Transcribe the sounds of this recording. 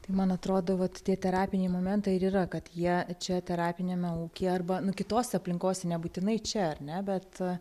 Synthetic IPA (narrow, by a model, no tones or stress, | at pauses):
t̪ɐɪmɐnɐt̪ɾoːd̪oːʋɐt̪tʲiɛt̪ʲɛɾɑːpʲɪnʲeɪmoːmʲɛnt̪ɐɪɪɾiːɾɐkɐt̪jiɛt͡ʃʲɛt̪ʲɛɾɑːpʲɪnʲeːmʲɛuːkʲeːɐrbɐnʊkʲɪt̪oːsʲɛɐpʲlʲɪŋkoːsʲɛnʲɛbuːt̪ʲɪnɐɪt͡ʃʲɛɐrnʲɛbʲɛt̪